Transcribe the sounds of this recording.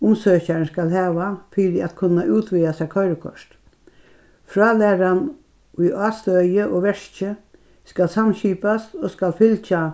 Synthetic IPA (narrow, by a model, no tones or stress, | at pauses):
ʊmsøːçaɹnskalhæːʋafiːɾɪat̪kʰʊnːaʔuːt̪ʰʋiːasɛkʰœʏɾəkʰɔ̰ʂt̪ | fɾɑːlæːɾan | ʊjɑːst̪œjəʔoːʋɛʂt͡ʃə | skalsamɕiːpast̪oːskalfɪlt͡ʃa